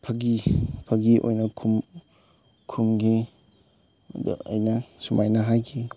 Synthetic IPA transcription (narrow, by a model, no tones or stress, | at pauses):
pʰɐɡipʰɐɡiʔo̰jnɐkʰum | kʰumɡi | d̪ṵɐ̰jnɐsumajnɐɦajkʰi